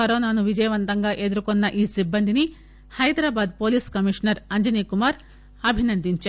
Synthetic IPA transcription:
ɐɾoːnaːnuʋid͡ʒɐjɐʋɐnt̪ɐŋɡɐʔed̪ɾukonːɐʔiːsibːɐnd̪ʱini | hɐjd̪ɾaːbaːd̪̚poːliːskɐmiʂnɐɾɐɲd͡ʒɐnikumaːɾ | ɐbʱinɐnd̪iɲt͡ʃe

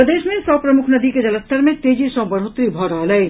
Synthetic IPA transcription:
pɾəd̪eːʃmẽsɔːpɾɐmʊkʰnɐd̪iked͡ʒɐləst̪ʰəɾmẽt̪eːd͡ʒisə̃bɐɾɦot̪ɾibʱɔːɾaːləe

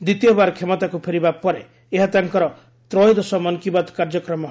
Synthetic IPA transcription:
d̪it̪ijɔbaɾkʰemɔt̪akupʰeɾibapɔɾeː | ɦat̪aŋkɔɾɔ | t̪ɾɔjd̪ɔsɔmɔnkibad̪kaɾd͡ʒɔkɾɔmɔ

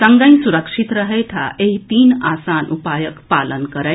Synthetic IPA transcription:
səŋɡãj̃suɾəkʂit̪ɾəɦəjt̪ʰa̰ʔeɦit̪iːnasanʔupajəkpalənkəɾə

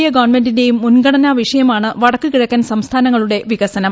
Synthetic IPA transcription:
jɐɡɐʋrnme̞ndinde̞jumːunɡɐɽɐnaːʋiʂɐjɐmaːɳɨʋɐɽɐkːɨkiɻɐkːaːnsɐmst̪ʰaːnɐŋːɐɭuɽe̞ʋiɣɐsɐnɐ

